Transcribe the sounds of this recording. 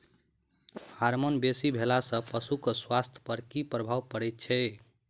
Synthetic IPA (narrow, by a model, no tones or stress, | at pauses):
haɾmonbesibʱelasə̃pəsukoswast̪ʰpəɾkipɾəbʱawpəɽɛjt̪̚t͡ʃʰɛ